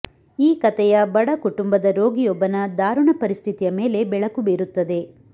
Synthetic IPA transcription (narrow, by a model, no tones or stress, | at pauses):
iːkɐt̪ɛjɐbɐɽɐkuʈumbɐd̪ɐɾo̞ːɡijɔbːɐnɐd̪aːɾuɳɐpɐɾist̪ʰit̪ijɐme̞ːle̞bɛɭɐkubeːɾut̪ːɐd̪e̞